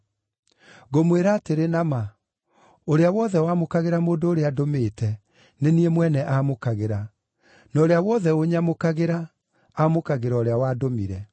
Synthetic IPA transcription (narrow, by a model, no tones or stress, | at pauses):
ɣomweɾaːteɾenama | oɾeawɔðɛwamokaɣeɾamoːndoːɾeadomeːtʰɛ | neniemwɛnɛʔamokaɣeɾa | naoɾeawɔðɛoɲamokaɣeɾaː | mokaɣeɾaoɾeawaːdomiɾɛ